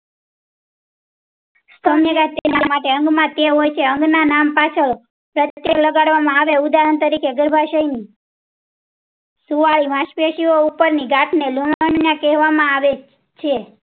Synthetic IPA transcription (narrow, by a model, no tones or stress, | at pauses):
st̪ʰəmjəɡaʈ̚t̪enamaʈeə̃ŋɡmãt̪eɦojt͡ʃʰeəŋɡnanampat͡ʃʰəɭ | pɾəjekləɡaɽʋamãaʋeud̪aɦənt̪əɾikʰeɡəɾbʱaʃajni | suʋaɭimãʃpeʃioupəɾniɡaʈʰneluʋaɳjakɛɦʋamãaʋe | t͡ʃʰe